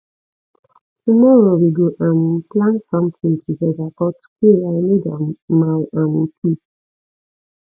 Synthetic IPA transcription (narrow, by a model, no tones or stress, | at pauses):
tumɔɹowiɡoʔãnplãnsɔ̃mθĩŋtʰuɡɛdakɔtkeɹanidamawʔãnkʰis